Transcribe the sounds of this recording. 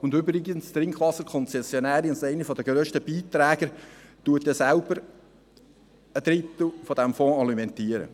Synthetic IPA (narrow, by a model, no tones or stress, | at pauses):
ʊndʏbɾɪɡənst̪ɾɪŋkχʋɑsəɾkʰɔnt͡sɛsjɔnæːɾisɛɪnifɔd̪əɡ̥ɾøːʃtəb̥iːt̪ɾæːɡ̥əɾt̪uətɛsælb̥əɾ | əd̪ɾɪt̪l̩fɔd̥̪æmfɔ̃ːɑlimɛnt̪iːəɾə̰